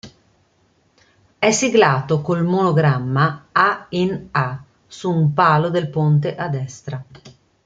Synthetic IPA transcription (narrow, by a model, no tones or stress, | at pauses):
ɛsiɡlaːt̪okolmonoɡɾamːaaina | suːmpaːlod̪elpont̪̬eʔad̪ːɛst̪ɾa